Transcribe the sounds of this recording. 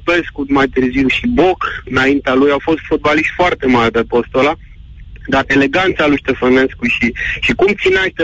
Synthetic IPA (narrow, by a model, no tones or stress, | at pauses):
pe̞skut̪majt̪ɨrziwʃibo̞kɨnaint̪ealujawfo̞st̪fot̪̚baliʃt̪ʲfoart̪e̞marʲpepost̪ola | d̪arele̞ɡant̪salujʃt̪e̞fəne̞skuʃiʃikumt̪sinaʃt̪e